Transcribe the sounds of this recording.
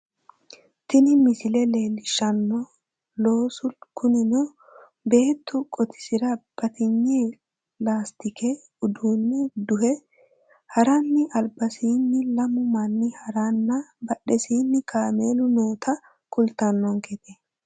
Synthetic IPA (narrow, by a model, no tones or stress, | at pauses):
t̪ɪnɪmɪsɪlɛle̞ːlɪʃɐnːɔ | loːsʊkʊnɪnɔ | be̞ːt̪ːʊkʼɔt̪ʰɪ̥sɪɾɐb̥ɐt̪ɪɲːe | laːst̪ɪkʰɛ | ʊd̪uːnːɛd̪ʊhɛ | hɐɾɐnːɪʔɐlbɐsiːnːɪlɐmʊmɐnːɪhɐɾanːɐbɐɗɛsiːnːɪkʰaːmeːlʊnoːt̪ʰɐ | kʊlt̪ɐnːɔŋkɛt̪ɛ